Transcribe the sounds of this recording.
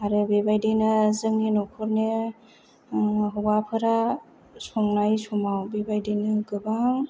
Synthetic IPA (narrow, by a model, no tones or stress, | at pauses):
aɾɯbebajdenazɯmnenɔkʰɔɾne | ɦɔɡapʰɯɾa | sɔŋnajsɔmawbebajdɯnɯɡɯbaŋ